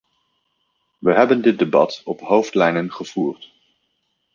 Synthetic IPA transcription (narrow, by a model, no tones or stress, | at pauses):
ʋəɦɛbəndɪt̚debɑ̰tɔpɦowftlɛjnənχəv̥uːrt